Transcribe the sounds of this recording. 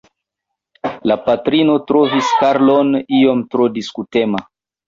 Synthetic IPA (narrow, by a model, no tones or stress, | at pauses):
lapatɾino̞tɾoviskaɾlonio̞mtɾodiskutema